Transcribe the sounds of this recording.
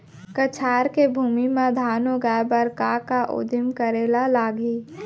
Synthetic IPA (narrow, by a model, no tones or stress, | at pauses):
kət͡ʃʰaːɾkebʱuːmimãd̪ʱaːnõɡaːjbəɾkakaʔo̰ːd̪ɪmkəɾeːlalaːɡiː